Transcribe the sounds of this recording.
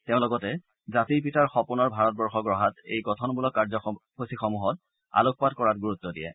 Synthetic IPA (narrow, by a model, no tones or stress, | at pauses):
teʊ̃lɔɡɔtɛ | zatiɹp̬itaɹxɔpunɔɹbʱaɹɔt̚bɔɹxɔɡɹɔɦatḛjkɔtʰɔnbulɔkːaɹzɔxusixɔmuɦɔt̚ | a̰luk̚patkɔɹatɡuɹutːɔdijɛ̰